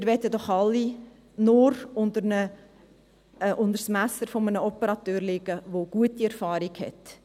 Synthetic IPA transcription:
mɪːɾʋɛt̪əd̪ɔχɑlːi | nʊɾʊnd̪əɾnə | ʔʊndəɾsmæsəɾfomənəɔpəɾɑt̪øːɾlɪɡ̥əʋoɡ̥uətiɛrfɑːɾiɡ̥hɛ̰t

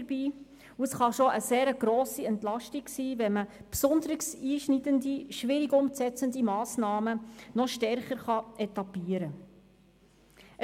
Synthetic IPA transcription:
ɾbiː | uəsχɑʃoʔəseːɾəɡ̥ɾɔːsiɛntlɑʃtiɡsiːvɛməpsʊnd̪əɾɪksiːʃnidənd̪iʃʋɪɾiɡʊmsɛt͡sənd̪imɑːsnɑːmənɔʃtɛɾχəɾχɑʔɛt̪ɑpiːəɾə

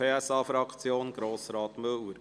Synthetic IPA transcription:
eːɛsɑːfɾɑkt͡sjoːnɡɾoːsɾɑːt̪mɵwəɾ

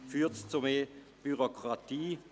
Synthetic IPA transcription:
fyːɐtt͡sumeː | b̥yʁokʁatiː

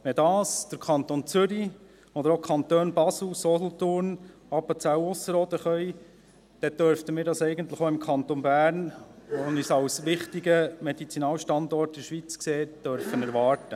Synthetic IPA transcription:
ʋɛdɑːsd̪̥əɾkʰɑnt̪ont͡sʏɾi | ɔd̪əɾokʰɑnt̪øːnbɑsl̩sɔlɔt̪ʊɾn | ɑpət͡sæwʊsəɾɔːd̪əχœj | d̥ɛd̪œɾftəmɪːɾdɑsɛɪɡənt̪ləχoɪmkʰɑnt̪onbæːɾnɔnisɑwsʋɪχtiɡəmɛdit͡sinɑːlʃtɑnd̪ɔɾtdɛɾʃʋit͡skseːtd̥œɾfənɛɾʋɑːɾtə

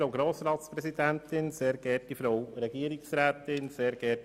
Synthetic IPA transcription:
ɾowɡɾoːsɾɑːt̪spɾɛsidɛntɪnseːɾɡ̥ɛtifɾowɾɛɡiːəɾɪksɾæːtɪnseːɾɡɛt

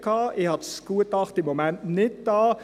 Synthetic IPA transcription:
kʰɑːʔɪhɑtskuətɑχtɪmːomɛntnɪt̚d̥ɑː

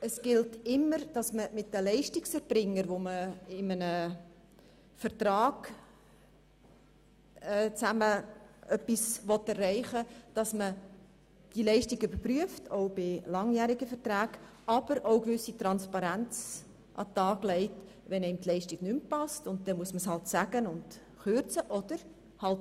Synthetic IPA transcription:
əsɡ̥ɪltɪmːəɾd̥ɑsməmɪt̚dəlɛɪʃtɪksɛɾb̥ɾɪŋːəɾʋoməɪmənə | fəɾtɾɑːɡ̥ | ɛːt͡sæməœpːisvɔtɛrːɛɪχəd̥ɑsmə | d̥ilɛɪʃtɪɡʏbəɾpryəftʰoʊbɪlɑŋjæːɾɪɡəfəɾtɾæːɡ | ʔɑb̥əɾoʊkvʏsitɾɑnspɑɾænt͡s | ʔɑ̰tɑːɡ̥lɛɪt | ʋɛnɛɪmtlɛɪʃtɪɡ̥nympɑstʊntd̥ɛmuəsməshɑltsæɡ̥ənʊnd | χʏɾt͡səʔɔd̥əɾ | hɑlt

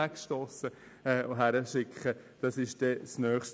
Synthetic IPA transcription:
ækʃtoːsə | ɛːoɦæɾəʃɪkχə | d̥ɑsɪʃd̥ɛsnœːχʃt

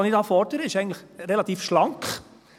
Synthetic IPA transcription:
nɪdɑːfɔɾdəɾəɪʃɛɡən̩tləχɾɛlɑt̪iːfʃlɑŋkχ

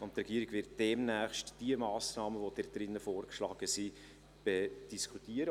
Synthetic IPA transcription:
ʊntrɛɡiəɾɪɡ̥vɪɾt̚d̥ɛmnæːχʃtd̥iəmɑːsnɑːməvod̥ɛt̚d̥ɾɪnːəfoːrkʃlɑːɡ̥əsi | b̥ɛd̥iskʰutiəɾə

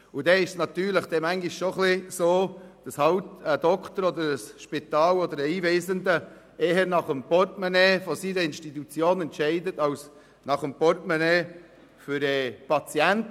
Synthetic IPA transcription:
ʊdɛɪʃsnɑt̪yːɾləχd̥ɛmæŋɡiʃʃoχlɪsoːd̥ɑshɑwtədɔkχt̪əɾɔd̪əɾəsʃpɪt̪ɑːlɔd̪əɾəiːveːzəndə | eːɦənɑχəmpɔrtmɛneːfosidəɪnʃtitut͡sjoːnɛntʃɛɪdətɑws | nɑχəmpɔrtmɛneː | fʏɾɛpɑt͡siɛnt

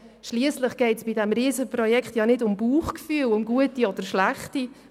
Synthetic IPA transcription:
ʃliəsləχɡ̥ɛɪtsb̥idɛmɾiːzəprɔjɛkχtjɑnɪdʊmbuːχkfyːlʊmɡuətiɔd̥̪əɾʃlæχti

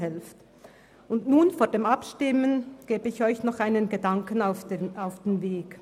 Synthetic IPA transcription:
hɛlft | ʊndnuːnfoːɐdeːmɑpʃtɪmənɡ̥eːbəɪçɔʏçnɔχaɪnənɡədɑŋkənaʊfaʊfd̥enveːɡ

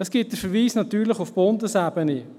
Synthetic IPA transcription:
dɑsɡ̥ɪt̚d̥əɾfəɾviːsnɑtyːɾləχufb̥ondəsæbəni

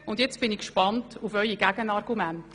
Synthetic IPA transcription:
ʊndjɛt͡sb̥ɪnikʃpɑntufœʏiɡæɡənɑrɡumænt

